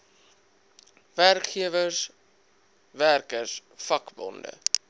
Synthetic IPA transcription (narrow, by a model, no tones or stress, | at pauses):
værkχiəvəs | værkərsfɐkbɔ̰ndə̰